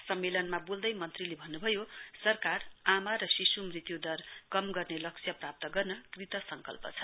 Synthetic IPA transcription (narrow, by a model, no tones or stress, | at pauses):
sʌmːelʌnmabuld̪ʌjmʌnt̪rilebʱʌnːubʱʌjosʌrkaramaɾʌsisumrit̪jud̪ʌrkʌmɡʌrnelʌksʰjʌprap̚t̪ʌɡʌrnʌkrit̪ʌsʌŋkʌ̰lpʌ̰t͡sʰʌ̥